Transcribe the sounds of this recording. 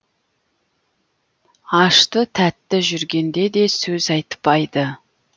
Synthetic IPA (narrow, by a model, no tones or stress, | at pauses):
ɑʃt̪ət̪ʰæt̪ːɪʒʏɾɡʲe̞nd̪e̞d̪e̞sɵzɑjt̪ə̥pːɑjd̪ə